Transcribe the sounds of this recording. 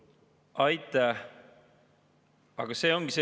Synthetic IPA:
ʔɑjt̪ːˑɑ | ɑɡ̥ɑse̞ːo̞ŋɡ̥ise

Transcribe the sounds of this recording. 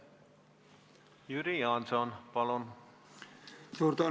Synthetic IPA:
jyɾiɑnsonpɑlon | suːɾt̪o

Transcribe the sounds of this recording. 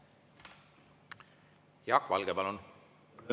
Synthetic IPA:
jɑkːvɑ̰lɡ̥epɑlun

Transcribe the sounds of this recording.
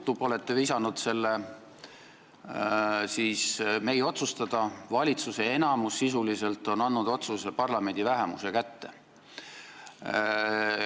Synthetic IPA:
t̪ːˑubo̞le̞t̪ːevisɑnud̪̥se̞lːe | siːsme̞jo̞t̪sust̪ɑd̪̥ɑvɑlʲit̪suse̞enɑmusːisulise̞lt̪ːˑo̞nɑnːud̪o̞t̪susepɑrlɑme̞nʲd̪̥ivæɦemṵse̞kæt̪ːe̞

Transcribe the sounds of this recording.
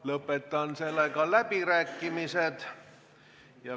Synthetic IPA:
lɤpːet̪ːɑnselːɑikɑllæpiræːkːimiset̪ | jɑ

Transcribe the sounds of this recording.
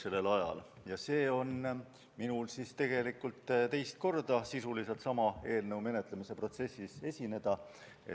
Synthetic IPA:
se̞lːe̞lɑjɑ̰l | jɑse̞ːo̞n | minulsist̪e̞ɡ̥e̞likːˑult̪ˑt̪e̞jst̪̚ko̞rd̪ɑsisulise̞lt̪sɑmɑe̞ːlnɤ̞wme̞net̪lemise̞pro̞t̪se̞sːise̞sʲine̞d̪̥ɑ | e

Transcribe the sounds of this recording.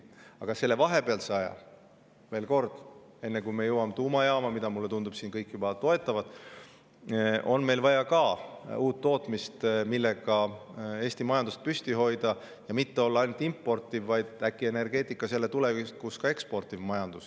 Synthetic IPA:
ɑɡ̥ɑse̞lːe̞vɑɦe̞peɑlseɑjɑ̰ | ve̞ːlko̞rd̪̥ | e̞nːekujmejɤwɑmet̪uːmɑjɑːmɑmid̪̥ɑmulːe̞t̪und̪ub̥siːnkɤjkːˑjubɑt̪o̞e̞t̪ːˑɑvɑd̪̥ | ʔo̞nme̞jlvɑjɑkɑuːt̪ːo̞ːt̪ˑmist̪milːeɡ̥ɑe̞ːsʲt̪imɑjɑnd̪̥ust̪̚pysʲt̪iɦo̞jd̪ɑ | jɑmit̪ːe̞o̞lːɑɑjnut̪ːˑimpːˑo̞rt̪ːˑivːɑjd̪̥ækːˑie̞ne̞rɡe̞ːt̪ːˑikːˑɑse̞lːe̞t̪ulevist̪̚kuskɑe̞kspo̞rt̪ˑivmɑjɑnd̪̥us

